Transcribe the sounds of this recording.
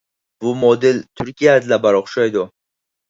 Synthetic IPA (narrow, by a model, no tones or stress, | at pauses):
bʊmɔd̪ɪlt̪ʰʊɾkʲijad̪labaɾɒχʃajd̪ɔ